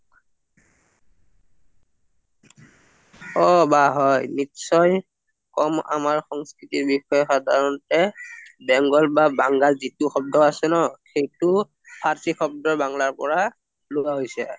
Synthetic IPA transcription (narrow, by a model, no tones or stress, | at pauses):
ɔbaɦɔjnitsɔj | kɔma̰maɹxɔŋskɹitiɹbixɔjɔxɔdʱaɹɔnɔtɛbɛŋɡɔlbabaŋɡalzituxɔb̚dɔasɛnɔxejtʊ | pʰaɹsʰixʰɔb̚dɔɹbaŋlaɹpɔ̰ɹa | lowaɦojsɛ